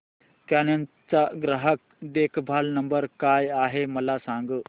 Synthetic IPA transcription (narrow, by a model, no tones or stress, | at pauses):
kanan | t͡saɡɾaɦək̚d̪ekʰbʱalnəmbəɾkajaɦeməlasãŋɡə